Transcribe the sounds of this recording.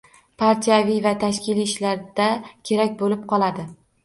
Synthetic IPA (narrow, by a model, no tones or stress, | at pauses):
pʰaɾt̪ʰijavijvat̪ʰaʃkʲɪliːɪʃlaɾd̪akʲʰe̞ɾakʲbolɪp̚qʰɒlˠad̪ɪ